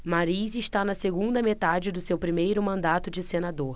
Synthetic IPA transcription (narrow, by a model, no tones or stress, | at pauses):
maɾizɪʃt̪anɐseɡũnd̪ɐmet̪ad͡ʒɪd̪ʊsewpɾimejɾʊmɐ̃nd̪at̪ʊd͡ʒɪsenad̪oɾ